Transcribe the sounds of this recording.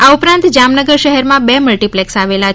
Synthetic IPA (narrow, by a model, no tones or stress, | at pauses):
aupɾãnt̪d͡ʒamnəɡəɾʃəɦɛɾmãbeməlʈiplɛksaʋela